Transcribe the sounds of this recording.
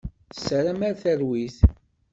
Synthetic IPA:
sɾæmæɾθəɾwiθ

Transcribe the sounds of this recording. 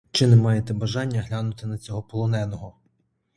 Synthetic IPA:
t͡ʃɪnemɑjet̪ɛbɐʒɑnʲːɐɦlʲanʊt̪ɪnɐt͡sʲɔɦɔpɔlˠɔnɛnɔɦɔ

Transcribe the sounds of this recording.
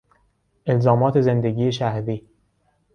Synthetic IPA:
ʔelzɒːmɒːt̪ʰezend̪eɡiːeʃæhɾiː

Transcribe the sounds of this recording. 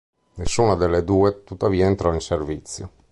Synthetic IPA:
nesːuːnad̪elːed̪uːet̪ut̪ːaviːaent̪ɾɔinservit̪sːjo̰

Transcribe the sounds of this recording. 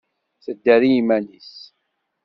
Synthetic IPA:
θəd̪ːæɾijimænis

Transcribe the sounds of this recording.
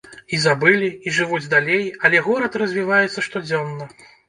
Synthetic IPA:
izabɨlʲiiʐɨvud͡zʲd̪alʲejɐlʲɛɣɔɾɐt̪rɐzʲvʲivajɛt̪sːɐʂt̪ɔd͡zʲɔnːɐ

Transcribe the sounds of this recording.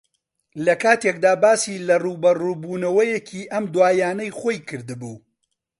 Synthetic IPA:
lɐkaːt̪ʰekd̪aːbaːsiːlɐruːbɐruːbuːnɐwɐjecʰiːʔɐmd̪waːjaːnɐjχoːjkʰɨɾd̪ɨbuː

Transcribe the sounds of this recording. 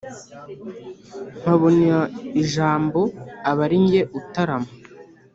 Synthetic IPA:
m̥aβonaiʒaːmbo̞aβaɾiɲɟe̞ʔutaɾamo

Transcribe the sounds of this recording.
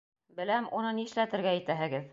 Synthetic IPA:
bɘ̆læmunɤniɘ̆ʃlæt̪ɘ̆ɾɡææt̪æɦɘ̆ɡɘð

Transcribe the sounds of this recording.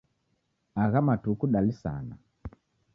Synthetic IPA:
aɣamatukuɗalisa̰na

